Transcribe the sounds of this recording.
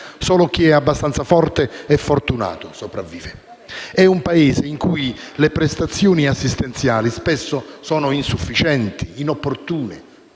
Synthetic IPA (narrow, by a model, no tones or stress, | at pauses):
sɔːlʊk̟iɛabːast̪ant̪safɔrt̪eɛfːort̪una̰ːt̪ʊsopɾavːiːve | ɛumpaeːzeiŋkuj | lepɾest̪at̪sːjoːniasːist̪ent̪sjaːlispɛsːʊsɔːnʊinsufːit͡ʃɛnt̪iːnopːort̪uːne